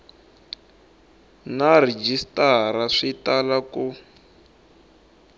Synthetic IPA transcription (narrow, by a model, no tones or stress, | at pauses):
nar̤ɛd͡ʒistaɾaʂitalaku